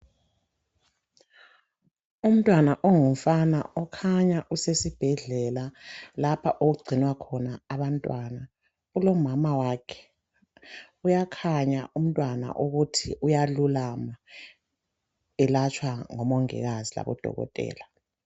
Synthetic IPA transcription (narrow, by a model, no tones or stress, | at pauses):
um̩tʼwanaʔɔŋuɱfana̰ɔkʰaɲaʔusesib̥ʱɛɮɛlalapʰaʔoɣuɡ͡ǀʱinwakʰɔnaːβantʼwana | ulɔmamawakʰɛ̥ | ujakʰaɲaʔum̩tʼwana̰ʔuɣutʰḭʔujalulama | ɛlat͡ʃʰwaŋɔmɔŋɛ̰ɣazila̰βɔ̰d̥ʱɔ̰ɣɔ̰tʼɛ̰ːla